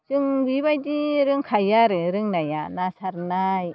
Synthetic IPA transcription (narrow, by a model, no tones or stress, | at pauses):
sɯŋbiβajdiɾɯŋkʰajaɾɯɾɯŋnajanasaɾnaj